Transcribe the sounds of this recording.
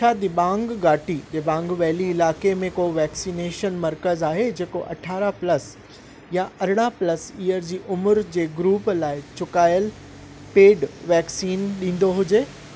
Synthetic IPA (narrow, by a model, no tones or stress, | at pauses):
t͡ɕʰaːd̪ɪbãːŋɡɡaːʈiɗeːbãːŋɡʋɛːliɪlaːkemẽkoʋɛːksiːneːʃənmɐɾkəzaːɦed͡ʑeːkoʔɐ̰ʈʰaːɾaplɐs | jaɐɾɪɽ̃aplɐsiːəɾd͡ʑiːʔʊmʊɾd͡ʑeːɡɾuːplaːɪt͡ɕʊkaːjəl | peːɖʋɛːksiːnɗĩːn̆d̪oɦʊd͡ʑeː